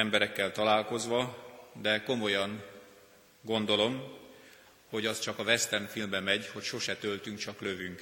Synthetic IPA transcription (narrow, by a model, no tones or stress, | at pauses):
ɛmbɛɾɛkːɛlt̪ɒlaːlko̞zʋɒd̪ɛko̞mo̞jɒŋ | ɡo̞nd̪o̞lo̞m | ho̞ɟɒst͡ʃɒkɒvɛst̪ɛnfilmbɛmɛɟho̞cʃo̞ʃɛt̪ølt̪yŋkt͡ʃɒklø̞vyŋk